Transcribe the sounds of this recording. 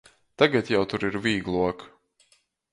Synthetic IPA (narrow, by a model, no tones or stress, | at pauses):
t̪aɡat̪jawt̪uɾiɾviːɡlˠuɔk